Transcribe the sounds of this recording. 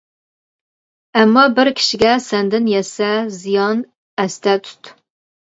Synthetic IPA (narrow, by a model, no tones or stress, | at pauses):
æmːɑbɨrkʲʰɪ̥ʃɡʲæsænd̪ɨnjɛsæzijɑn | æst̪ʰæt̪ʰʊ̥t̪ʰ